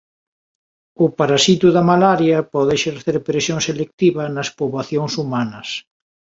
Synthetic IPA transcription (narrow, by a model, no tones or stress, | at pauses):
ʊpaɾasit̪uðɐmalaɾjɐpɔðeʃeɾθeɾpɾesjoŋselek̚t̪iβɐnɐspoβlaθjoŋsumanɐs